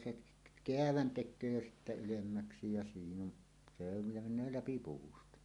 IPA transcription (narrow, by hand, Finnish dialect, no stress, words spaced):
se k keæʋæn tekˑøː jo ylemːæksi jæ siːn on se on jɑ menˑøː læpi puːstɑ